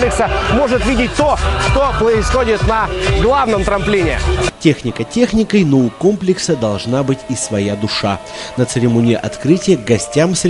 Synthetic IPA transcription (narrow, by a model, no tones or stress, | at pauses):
plʲɪksəmo̞ʐɨt̪vʲidʲɪt̚ʲt̪oʂt̪opɾəɪsxodʲɪt̪nɐɡlˠavnəmt̪ɾɐmplʲinʲɪ̰tʲe̞xnʲɪkətʲe̞xnʲɪkəjnoʊko̞mplʲɪksəd̪ɐlˠʐnabɨtʲisvɐjad̪ʊʂa | nət̪sɨɾʲɪmonʲɪjɪʔɐt̪kɾɨtʲɪjəɡɐsʲtʲamsɾʲ